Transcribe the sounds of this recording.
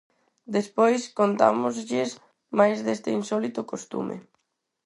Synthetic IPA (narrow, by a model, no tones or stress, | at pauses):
d̪espojskont̪a̰mʊzʎɪs | majzðest̪einsɔlit̪ʊkost̪ṵmʔḛ